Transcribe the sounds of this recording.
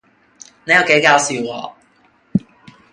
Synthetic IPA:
ne˨˥jɐ˨˧wke˨˥jkaː˨˥wsiː˧wwɔ̰ː˧

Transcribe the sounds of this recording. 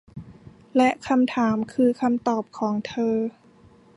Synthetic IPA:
lɛ˦˥ʔkʰa˧mt̪ʰaː˩˦mkʰɯː˧kʰa˧mt̪ɔː˨˩p̚kʰɔː˩˦ŋt̪ʰɤː˧

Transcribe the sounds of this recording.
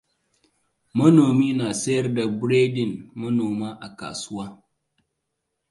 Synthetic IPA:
mə˦no˨mi˦na˨se˦ɾda˨bɾe˦di˨nmə˦no˨ma˦ʔa˨ka̰˨sa˦

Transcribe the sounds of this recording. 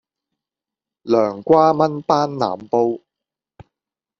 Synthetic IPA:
lœː˨˩ŋkʷaː˥mɐ˥npaː˥nna̰ː˨mpo˥w

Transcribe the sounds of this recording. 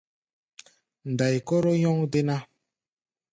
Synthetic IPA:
n̩˨da˨jkɔ˦ɾo˦jɔ˦ŋde˦na˦

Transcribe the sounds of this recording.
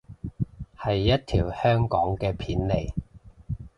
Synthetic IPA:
hɐ˨jːɐ˥t̚t̪ʰiː˨˩whœː˥ŋkɔː˨˥ŋkɛː˧pʰiː˨˥nle˨j

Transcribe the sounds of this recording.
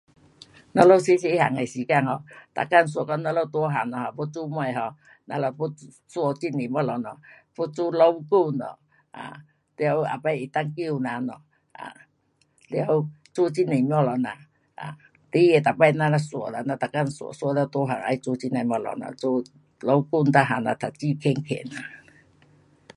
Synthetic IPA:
nɔ˧˦lɔ˦wsi˦se˧˦ha̰˨ŋa˨si˨˦ka˦˧˨ŋhɔ˧t̪a̰˨ka˦˧˨n˨s̬u˨ɔ˨kɔ˦nɔ˧˦lɔ˦t̪u˧˦ɦa˨ŋnɔ˨ha˨pɔ˦t͡su˦mɔ˧˨ɦɔ˨ | na̰˧lɔ˧˨po˦ | su˧˦ɔ˧t͡ʃi˦ne˨mɔ˦lɔ˨nɔ˨po˦t͡su˦lɔ˧˦wku˦˧˨wnɔ̰˨ | a̰˨ | li˧ɔ˧˦wa̰˨pa˧˦˨i˨t̪a˦˧ŋki˦˨˧na˨nɔ̰˨ | a̰˨ | li˧˨a˧˦w | t͡su˦t͡ʃi˦ni˨m˦ɔ˧˨lɔ˨na˨ | ʔa̰˨ | t̪i˧˦jɛ˨t̪a˨pa˧jna˧˦na˧su˨ɔ̰˨na˨na˧t̪a˨ka˦˧˨nsu˨sla˧˦t̪o˧˦ɦa˨ŋa̰˧jt͡su˧˦t͡ʃi˦˧na˨mɔ˧˨lɔ̰˨nɔ̰˨t͡su˦ | lɔ˧˦wku˦˧˨n˦t̪a˦˧ɦa˨na˨t̪ʰa˨t͡ʃi˦kʰe˧˦ŋkʰḛ˧˨na˨

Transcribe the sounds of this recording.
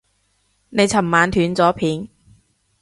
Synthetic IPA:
ne˨˧jt͡sʰɐ˨˩mmaː˨˧nt̪ʰyː˨˧nt͡sɔː˨˥pʰiː˨˧n

